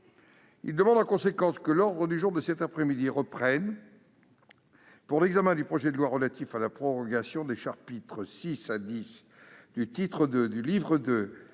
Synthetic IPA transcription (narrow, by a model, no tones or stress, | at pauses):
ḭld̪əmɑ̃d̪ɑ̃kɔ̃sekɑ̃skəlɔʁd̪ʁəd̪yʒuʁd̪əsɛt̪apχɛmid̪iʁəpχɛn | puʁlɛɡzamɛ̃d̪ypχɔʒɛd̪əlwaʁəlat̪ifalapχɔʁɔɡasjɔ̃d̪eʃaʁpit̪χəsisad̪is | d̪̥yt̪it̪χəd̪əd̪ylivʁəd̪ə